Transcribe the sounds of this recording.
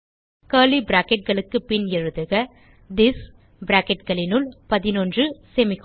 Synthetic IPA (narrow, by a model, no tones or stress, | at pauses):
kɐːlibɪɾaːkɛʈ̚ɡɐɭɯkːɯpɪnɛɻɯðɯɣɐ | d̪ɪs | bɪɾaːkɛʈ̚ɡɐɭɪnɯɭpɐðɪnɔndrɯsɛmɪk